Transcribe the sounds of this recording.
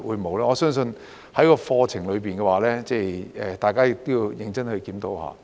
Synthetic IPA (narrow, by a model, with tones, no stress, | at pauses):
wuː˨˧jmo˨˧wlaː˥ŋɔː˨˧sœː˥ŋsɵ˧n | hɐ˨˥jkɔː˧fɔː˧t͡sʰɪ˨˩ŋlɵ˨˧ɥpiː˨˩nkɛː˧waː˨˩lɛː˥t͡sɛː˥˧˩jʔɛː˨t̪aː˨jkaː˥jɪ˨k̚t̪o˥ji˧wjɪ˨˧ŋt͡sɐ˥nhɵ˧ɥkiː˨˥nt̪o˨˧wha̰ː˨˧